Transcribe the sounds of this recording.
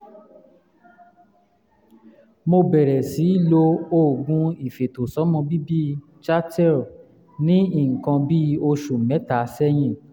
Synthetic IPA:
mo˧bɛ˨ɾɛ˨si˨˦i˦˨lo˧˦o˦˨ɡũ˦i˨fe˨to˨sɔ˨˦mɔ̃˧bi˦bi˦ | t͡ʃa˦tɛ˦˨ | nĩ˦i˦˨ŋ̩˨kã˧bi˦o˧ʃu˨mɛ̃˨˦ta˨˦sɛ˦j̃ĩ˦˨

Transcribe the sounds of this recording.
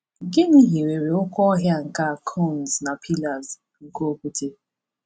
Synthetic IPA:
ɡɪ˦ni˦ɦi˨ɾe˨ɾe˨ʊ˦kɔ˦ɔ˦ɦja˦ŋ̩˨ka˦˨kʰo˦˨n˨zna˨pʰi˦la˨z | ŋ̩˦ko˦o˦kʷu˦te˦

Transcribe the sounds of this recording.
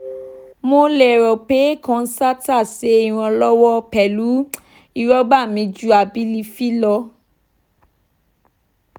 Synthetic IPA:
mo˧lɛ˨ɾɔ˨pe˨˦kɔ̃˧n̩˦sa˦ta˦˨se˨˦i˦˨w̃ɔ̃˧lɔ˦wɔ˦pɛ˨lu˨˦ | i˧ɾɔ˦ba˦˨mĩ˨˧d͡ʒu˦a˨bi˦li˧fi˦lɔ˧

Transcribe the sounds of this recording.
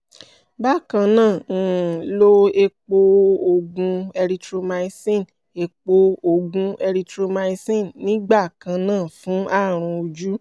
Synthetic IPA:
ba˦˨kã˧nãː˦˨lo˦e˧k͡po˧o˧ɡũ˧ɛ˧ɾi˧tɾo˧ma˧i˧sĩ˦˨n | e˧k͡po˧o˧ɡũ˧ɛ˧ɾi˧tɾo˧ma˧i˧sĩ˦˨nnĩ˨˦ɡ͡ba˦˨kã˧nãː˦˨fũ˨˦ʔa˦˨ɾ̃ũ˧o˧d͡ʒu˦

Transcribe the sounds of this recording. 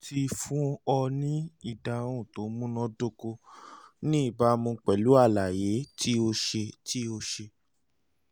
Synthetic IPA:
ti˧fũ˨˦ɔ˧nĩ˦i˦˨da˨ɾũ˦˨to˨˦mũ˦nɔ̃˦do˦ko˧nĩ˦i˦˨ba˨˦mũ˧k͡pɛ˨lu˦a˦˨la˨je˨˦tʰi˦o˧ʃe˧tʰi˦o˧ʃe˧

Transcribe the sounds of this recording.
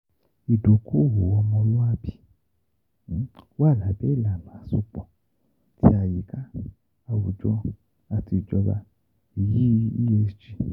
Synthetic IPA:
i˨do˨kʰu˦˨wo˨wɔ˧mɔ̃˧lu˦a˦bi˦ | wa˦˨la˨˦˨bɛ˨˦i˦˨la˨mã˨˦su˧˦k͡pɔ˨ | ti˦a˧˨ji˨ka˦ | a˧˨wu˨d͡ʒɔ˦ | a˧ti˧˨d͡ʒɔ˧ba̰˧ | i˨ji˦ḭ˦je˧˦t͡ʃi˧

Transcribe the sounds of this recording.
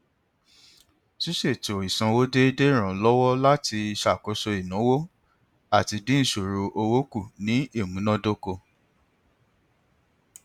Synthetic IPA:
ʃi˦ʃe˦˨to˨o˨i˨sã˧wo˦de˦de˦˨ɾ̃ã˨˦lɔ˦wɔ˦la˦ti˧i˧ʃa˨ko˨˦so˧i˨nũ˨˦wo˦ | a˦˨ti˧dĩ˦ñ̩˦˨ʃo˨ɾo˧ʔo˧wo˦ku˦˨nĩ˨˦e˦˨mũ˨˦nã˦do˦ko˧

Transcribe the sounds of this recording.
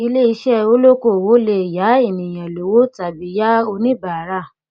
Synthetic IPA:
i˧le˦i˧ʃɛ˦o˦lo˦ko˦˨wo˨˦le˧˨ja˨˦i˦˨nĩ˨j̃ã˨lo˨˦wo˦ta˨bi˨˦ja˦o˧nĩ˦ba˨ɾa˦˨

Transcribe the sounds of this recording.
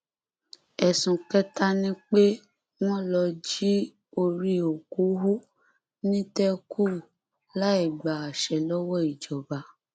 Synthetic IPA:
ɛ˨sũ˨kɛ˦ta˦nĩ˦k͡pe˦ | w̃ɔ̃˦lɔ˧d͡ʒi˦ | o˧ɾi˦o˨ku˨˦ɦu˦ | nĩ˦tɛ˦kʰu˦˨ | la˦i˦˨ɡ͡ba˨a˨ʃɛ˨lɔ˦wɔ˦i˨d͡ʒɔ˨ba˨˦

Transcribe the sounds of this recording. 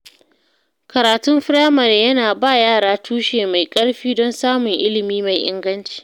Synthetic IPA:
kɐ˨ɾaː˨tʊ˦mɸɪ˦ɽaː˦mɐ˨rjɐ˦naː˨baː˦˨jaː˦˨ɽaː˦tʰuː˦ʃeː˨ma˨jkʼɐ˦ɽɸiː˦dɔ˦nsaː˦mʊ˨ŋʔɪ˦lɪ˨miː˦ma˨jʔɪ̰˦ŋɡɐ˦nt͡ʃi̥ː˨

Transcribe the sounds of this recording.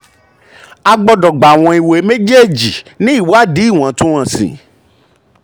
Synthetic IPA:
a˧ɡ͡bɔ˧dɔ˨ɡ͡ba˨w̃ɔ̃˧i˨we˨˦mẽ˦d͡ʒe˦˨d͡ʒi˨nĩ˦i˦˨wa˦di˨˦˨w̃ã˨˦tũ˦ã˨sḭ̃˨

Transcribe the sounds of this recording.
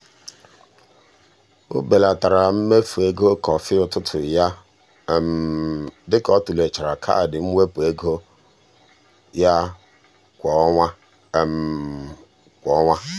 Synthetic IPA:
o̰˦be˨la˨ta˨ɾa˨m̩˦me˦fu˨e˦ɡo˦kɔ˨fɪ˦ʊ˨tʊ˦tʰʊ˨ja˦˨ | m̩˨dɪ˦kɔ˦tu˨le˨t͡ʃa˨ɾa˨kʰa̰˦˨dɪ˨m̩˦we˦pe˦ɡo˦ | ja˦ | kʷɔ˨a˦˨ | m̩˨ | kʷɔ˦ŋʷa˦

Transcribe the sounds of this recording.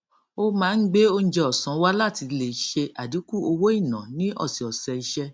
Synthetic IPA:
o˦mãː˦n̩˦ɡ͡be˦o˧n̩˦d͡ʒɛ˧ɔ˨sã˨˦wa˦la˦˨ti˧˦le˨ʃe˧ʔa˨di˨˦ku˦˨o˧wo˦i˦˨nã̰˨nĩ˦ʔɔ̰˦˨si˨ɔ˨sɛ˧i˧ʃɛ˧

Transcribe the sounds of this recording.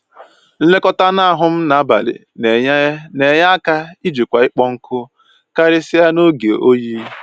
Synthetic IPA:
n̩˦le˦kɔ˦ta˦na˦a˨ɦʊ˦m̩˦na˨˦ba̰˨lɪ̰˨ | ne˨ɲ˦ne˨ɲa˦a˦ka˦i˦d͡ʒu˨kʷa˨ɪ˦k͡pɔ˦ŋ̩˦kʰʊ˦ | ka˦ɾɪ˦sɪ˦a˦no˦ɡe˨o˦ji˦

